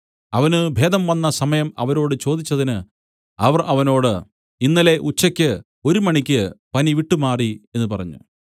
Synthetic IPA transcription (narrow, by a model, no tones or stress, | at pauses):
ɐʋɐnɨbʱe̞ːd̪ɐmʋɐnːɐsɐmɐjɐmɐ̰ʋɐɾo̞ːɽɨt͡ɕo̞ːd̪it͡ɕːɐðinɨ | ɐʋɐrʔɐʋɐno̞ːɽɨ | inːɐle̞ʔut͡ɕːɐkʲːɨ | o̞ɾumɐɳikʲːɨpɐniʋiʈːumaːrie̞nːupɐrɐɲːṵ